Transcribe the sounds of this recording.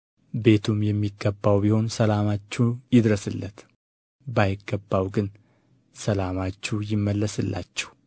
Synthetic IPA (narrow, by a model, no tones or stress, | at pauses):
be̞t̪ʰumjɛmːiɡːəbːawbiho̞nsəlamat͡ʃːujɪd̪ɾəsɨlːət̪ | bajɪɡːəbːawɡɨn | səlamat͡ʃːujɪmːəlːəsɨlːa̰t͡ʃːɛ̥w